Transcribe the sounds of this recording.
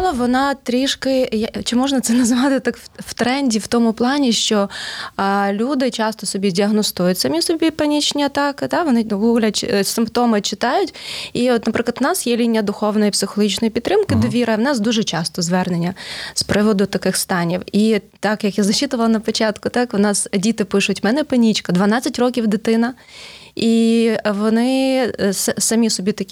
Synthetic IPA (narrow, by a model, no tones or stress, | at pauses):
lˠɐʋɔnɑt̪ɾʲiʂkɪjt͡ʃɪmɔʐnɐt̪sɛnɐzʋɑt̪ɪt̪akwt̪ɾɛnʲdʲiwt̪ɔmʊplˠɑnʲiʃt͡ʃɔ | lʲud̪ɪt͡ʃɑst̪ɔsɔbʲidʲiɐɦnɔst̪ujʊtʲsɐmʲisɔbʲipɐnʲit͡ʃnʲiɐt̪ɑkɪd̪aʋɔnɪɡuɣlʲɐt͡ʃsɪmpt̪ɔmɪt͡ʃɪt̪ɑjʊtʲiɔt̪nɐpɾʔɪklˠɐt̪ʊnɑsjɛlʲinʲːɐd̪ʊxɔwnɔjipsɪxɔlˠɔɦit͡ʃnɔjipʲid̪ɾɪmkɪd̪ɔʋʲiɾɐʋnɑsd̪uʒɛt͡ʃɑst̪ɔzʋɛrnenʲːɐspɾɪʋɔd̪ʊt̪ɐkɪxst̪ɑnʲiwit̪ɑkjɐkjazɐt͡ʃit̪ʊʋɐlˠɐnɐpɔt͡ʃɑt̪kʊt̪ɑknɑsdʲit̪ɪpɪʃʊtʲmɛnɛpɐnʲit͡ʃkɐd̪ʋɐnat͡sʲːɐtʲrɔkʲiwd̪ɪt̪ɪnɐ | iʋɔnɪsɐsɐmʲisɔbʲit̪ɐkʲi